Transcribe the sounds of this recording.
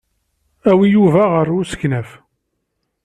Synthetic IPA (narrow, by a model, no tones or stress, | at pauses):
æwijuvæʁəɾʊsə̥knæf